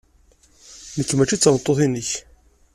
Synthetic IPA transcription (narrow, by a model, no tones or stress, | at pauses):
nəkːmæt͡ʃːit͡sːəɾət̪ˤːoθinəç